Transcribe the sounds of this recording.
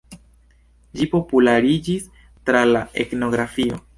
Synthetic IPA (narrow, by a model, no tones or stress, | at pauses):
d͡ʒipo̞pulaɾid͡ʒis | tɾalae̞̰tno̞ɡɾafio̞̰